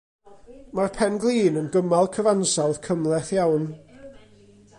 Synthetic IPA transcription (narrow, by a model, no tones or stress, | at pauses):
marpʰɛnɡlˠiːnənɡəmalˠkʰəvansawð̥kʰəmlˠɛθjawn